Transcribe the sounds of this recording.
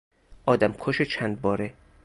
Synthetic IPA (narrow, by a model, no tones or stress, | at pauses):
ʔɒːd̪æmkʰoʃet͡ʃʰænd̪̚bɒːɾe